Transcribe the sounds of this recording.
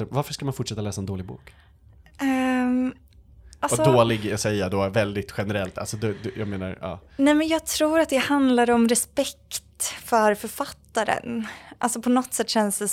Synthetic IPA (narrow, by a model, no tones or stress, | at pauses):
vaɾfəʂkamanfʊʈʂɛt̪ːalɛːsaɛnd̪oːlɪɡbṵːk | ɛ | alɔsɔd̪oːlɪɡsɛjːəd̪oːvɛld̪ɪt̪ɧɛnɛɾɛlt̪a̰lsɔd̪ɛd̪jɑ̰ːɡmeːna̰ɾɑ̰ːnɛmɛnjɑːɡ̚t̪ʰɾuːɾat̪̚d̪ɛhand̪laɾɔmɾɛspɛkt̪fœɾfœɾfat̪ːaɾə̰nʔa̰lsɔpʰɔnɔt̪ːsɛt̪ːɕɛnsd̪ɛ